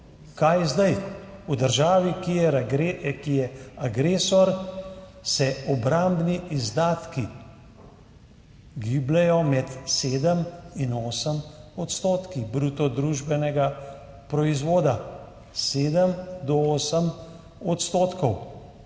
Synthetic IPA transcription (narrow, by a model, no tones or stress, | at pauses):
kajzd̪ajud̪əɾʒaːʋiki | kijɛaɡɾeːsɔɾ | sɛɔbɾambniʔizd̪aːt̪ki | ɡiːblɛjɔmɛt̪seːd̪əminoːsəmɔt̪st̪oːt̪kibɾuːt̪ɔd̪ɾuʒbɛnɛɡa | pɾɔizʋoːd̪a | seːd̪əmd̪ɔoːsəm | ɔt̪st̪oːt̪kɔw